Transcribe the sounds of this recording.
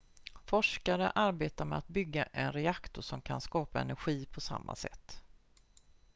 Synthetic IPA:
fɔʂkaɾəʔaɾbeːt̪aɾmɛat̪̚bʏɡːaʔɛnɾɛakt̪ʊʂɔmkʰanskɑːpaɛnæɾɧiːpʰɔsa̰mːa̰sɛ̰t̪ː

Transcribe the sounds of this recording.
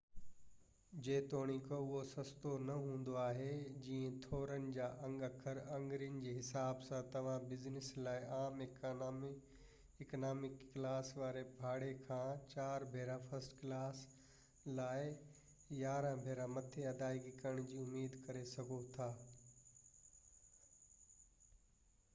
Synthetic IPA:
d͡ʑeːt̪oːɽ̃ikoʊɦosɐ̃st̪onɐɦũːn̆d̪oaːɦed͡ʑĩːə̃t̪ʰoːɾənɪ̆d͡ʑaːʔɐ̃ŋɡɐkʰəɾɐ̃ŋɡɾijənɪ̆d͡ʑeːɦɪsaːbsãt̪ɐʋ̤ãbɪznɪslaːɪaːm | ɪknaːmɪkːlaːsʋaːɾebʱaːɽekʰãːt͡ɕaːɾbʱeːɾãfɐsʈklaːs | laːɪ | jaːɾə̃bʱeːɾãmɐt̪ʰeɐd̪aːiɡikɐɾəɽ̃d͡ʑiːʊmːiːd̪kɐɾesɐɡʱot̪ʰaː

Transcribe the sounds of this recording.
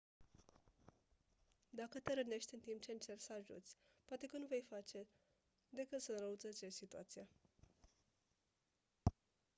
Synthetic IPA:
d̪akət̪eɾəne̞ʃt̪ʲɨnt̪imp̚t͡ʃe̞ɨnt͡ʃe̞rsəaʒṵt̪sʲpoat̪e̞kənuve̞jfat͡ʃe̞ | d̪e̞kɨt̪səɾəut̪zət͡ʃesit̪ua̰t̪sija

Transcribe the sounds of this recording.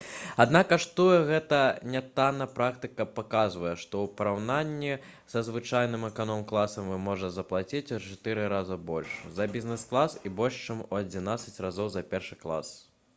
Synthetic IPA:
ad̪nakaʂt̪ujɛɣɛt̪ɐnʲat̪anɐpɾakt̪ɨkɐpakazvɐjɛʂt̪ɔwpɐɾawnanʲːi | sɐzvɨt͡ʂajnɨmɛkanɔmklˠasɐmvɨmɔʐɐzɐplˠat͡sʲit͡sʲt͡ʂat̪ɨɾɨɾazɐbɔlʲʂzɐbʲiznɛsklˠasibɔlʲʂt͡ʂɨmuɐd͡zʲinat̪sɐt͡sʲrazɔwzɐpʲɛrʂɨklˠa̰s

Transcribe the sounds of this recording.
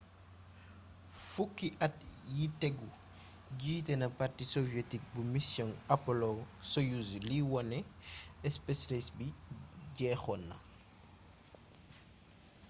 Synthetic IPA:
fukːiʔɐt̚jitɛɡu | ɟiːtɛnɐpartisɔvijetik̚bumisjɔnɐpɔlɔsɔjuzliwɔnɛɛspɛslesbiɟɛːxɔnːɐ̰

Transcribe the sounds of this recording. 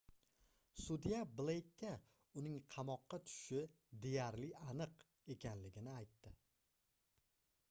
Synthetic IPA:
sud̪ijablˠejkʲːa | ʊnɪŋqʰɑmɒqːɑt̪ʰʊ̥ʃɪ | d̪e̞jaɾlɪanɨq | e̞kʲʰanlɪɡʲɪnɪajt̪ːɪ

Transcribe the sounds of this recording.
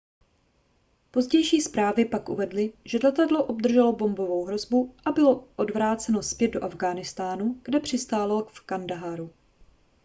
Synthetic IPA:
po̞zɟɛjʃiːspɾaːvɪpakʔṵvɛdlɪʒ̥ɛlɛt̪adlo̞ʔob̚d̪r̩ʒɛlo̞bo̞mbo̞vo̞wɦɾo̞zbuʔabɪlo̞ʔodvɾaːt͡sɛno̞spjɛd̪̚do̞ʔavɡaːnɪst̪aːnuɡ̥dɛpr̝̥ɪst̪aːlalfkandaɦaɾu

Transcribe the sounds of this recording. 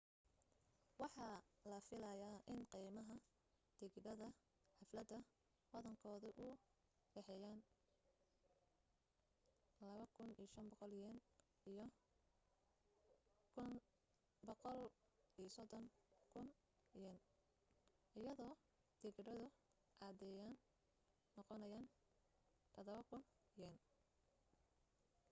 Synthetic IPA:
wɑħɑːlɐfɪlɐjaːʔɪnqiːmɐɦɐ | d̪̥ɪɣɖɐðɐ | ħɑflɐd̪ɐ | wɐðɐŋkʰɔːðʊʔʊ | ɖɛħɛjaːn | lɐβɐkʰʊnḭjʃɐnbɔqɔljɐn | ijɔ | kʰʊn | bɔqɔl | ijsɔd̪ɔŋkʰʊn | jɛn | ʔɪjɐðɔː | d̪̥ɪɡɖɐðʊ | ʔaːd̪ɛːjaːnː | ɔqɔnɐjaːn | t̪ʰɐðɐβɐkʰʊn | jɛn

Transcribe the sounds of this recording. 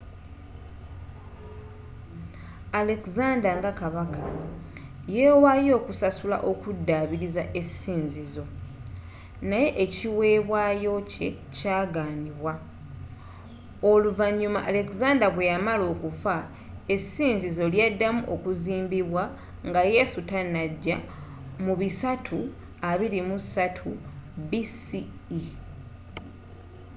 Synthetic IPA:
ale̞kzaːndaŋɡakaβaka | jeːwajo̞ːkusasula̰ʔo̞kudːaβiɾizaʔe̞siːnzizo̞ | naje̞ʔeciwe̞ːβwaːjo̞ce̞̰ | caːɡaːniβwa | o̞luvaɲːuma̰ʔale̞kizaːndaβwe̞jamalo̞ːkufa | e̞siːnzizo̞ljadːamuʔo̞kuziːmbiβwa | ŋɡaje̞sutanːaɟːa | muβisatʰu | aβiɾimusatʰubisiː

